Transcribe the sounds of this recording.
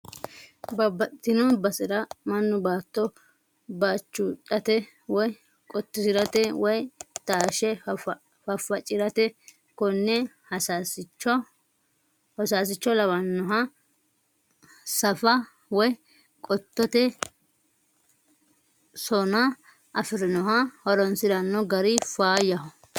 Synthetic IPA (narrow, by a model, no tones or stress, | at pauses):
bɐbɐt̪ːɪnɔbɐsɪɾɐmɐnːʊbaːt̪ːɔ | baːt͡ʃːutʼɐt̪ɛ | wɔj | kʼɔt̪ːɪsɪɾɐt̪ɛwɔjt̪aːʃɛ | fɐfːɐt͡ʃʼɪɾɐt̪ɛ | kɔnːɛhɐsasɪt͡ʃːɔ | hɔsaːs̬ɪt͡ʃːɔlɐβɐnːɔɦɐ | sɐfɐ | wɔj | kʼɔt̪ːɔt̪ɛ | sɔnɐ | ʔɐfɪɾɪnɔɦɐhɔɾɔnsɪɾɐnːɔɡɐɾɪfaːjɐɦɔ